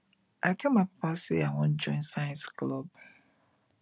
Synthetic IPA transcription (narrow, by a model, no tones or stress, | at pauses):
akʰemakpaseawɔ̃nd͡ʒɔ̃ɪ̃nsajãnsklɔb